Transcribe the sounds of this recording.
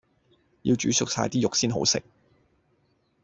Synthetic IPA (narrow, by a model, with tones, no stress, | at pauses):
ji˧wt͡ʃyː˨˥sʊ˨k̚saː˧jt̪iː˥jʊ˨k̚siː˥nɦo̰˨˥wsɪ̰˨k̚